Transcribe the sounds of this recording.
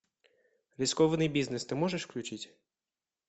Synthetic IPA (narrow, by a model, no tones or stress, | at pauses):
ɾʲiskɔʋɛnɨjbʲiznɛst̪ɪmɔʐɛʂklʲut͡ʃɪtʲ